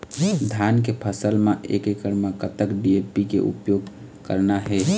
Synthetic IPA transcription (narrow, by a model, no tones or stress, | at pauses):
d̪ʱjankepʰəsəlmeʔḛkekəɾmakət̪əkɖiepikḛʔṵpjoɡ | kəɾnaɦɛ